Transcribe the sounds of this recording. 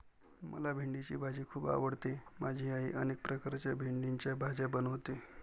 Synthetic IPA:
mʔə̰labʱiɳɖit͡ɕḭːbʱad͡ʑʱiːkʰuːba̰ʋəɽt̪emʔad͡ʑʱiːaɦiːʔənek̚pɾəkaɾt͡ɕjabʱiɳɖiɲt͡ɕjabʱad͡ʑabənəʋt̪e

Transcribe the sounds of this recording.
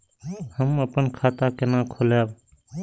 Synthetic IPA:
həməpənkʰaːt̪akenãːkʰoːljaːb

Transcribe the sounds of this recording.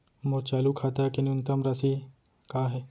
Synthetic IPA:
mot͡ʃaːlukʰaːt̪akinʊnt̪ɐmɾɐsi | kaːɦɛː

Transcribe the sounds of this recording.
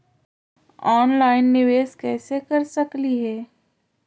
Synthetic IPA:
ɔːnlaːɪnːɪʋeːskɛːsekɐɾsɐkliɦɛː

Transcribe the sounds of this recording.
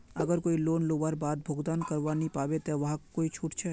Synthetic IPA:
ɐɡəɾkoːiloːnloːʋaːɾbaːd̪̚bʱoːɡd̪aːnkɐɾʋanipaːʋet̪eʋɐɦãkoːit͡ʃʰuːʈt͡ʃʰɛ

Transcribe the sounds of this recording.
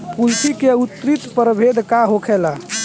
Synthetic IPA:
pulsikeut̪ːɾit̪pəɾbʱed̪ʱkaɦokʰɛla

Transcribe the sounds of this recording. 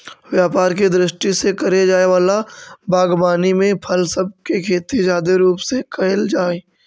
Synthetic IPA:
ʋjaːpaːɾked̪ɾɪʃʈisekɐɾed͡ʒaːeʋaːlabʱaːɡbaːnimẽpʰɐlsɐb̚kekʰeːt̪id͡ʒaːd̪eɾuːpsekɐld͡ʒaːe

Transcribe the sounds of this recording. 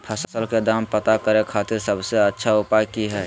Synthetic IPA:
pʰəsəsəlked̪aːmpət̪akəɾẽkʰaːt̪ɪɾsəbseətːʃʰaʊpaːjkiɦɛː

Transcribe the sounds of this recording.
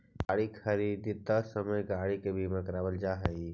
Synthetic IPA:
aɽikʰəɾid̪it̪əsəməjɡaɽikebʱiməkɾabəld͡ʒaɦə

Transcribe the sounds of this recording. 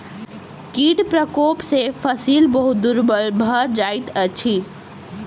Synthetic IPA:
kiːɖpɾəkoːpsefʰəsiːlbəɦud̪uɾbəlbʱəd͡ʒaːit̪ət͡ʃʰi

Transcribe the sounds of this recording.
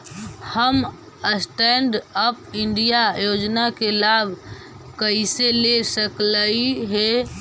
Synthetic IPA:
həm | əsʈɛɳɖəp̚iɳɖijajod͡ʒnakelabʱ | kəiselesəkləiɦe

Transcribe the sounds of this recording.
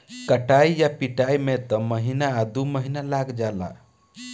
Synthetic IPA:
kəʈaijapiʈajmet̪əməɦinaːd̪uməɦinalaɡd͡ʒala̰

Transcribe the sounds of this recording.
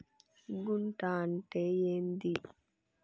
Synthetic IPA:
ɡuɳʈaːɐɳʈeːjeːnd̪i

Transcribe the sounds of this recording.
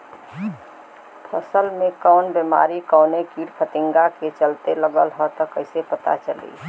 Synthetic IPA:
pʰəsəlmẽkəʊnbema̰ːɾikəʊnekiːɽpʰət̪ɪ̃ŋɡaket͡ʃəlt̪eləɡəlɦɔt̪əkəɪsepət̪a̰t͡ʃəlḭ

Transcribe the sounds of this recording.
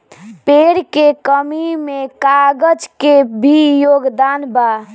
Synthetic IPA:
peɽkekəmimẽkaɡəd͡ʒkebʱijoːɡd̪anba

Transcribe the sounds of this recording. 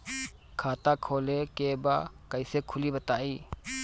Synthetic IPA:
kʰaːt̪aːkʰoːlekeːbaːkəɪsekʰʊliːbət̪aːiː

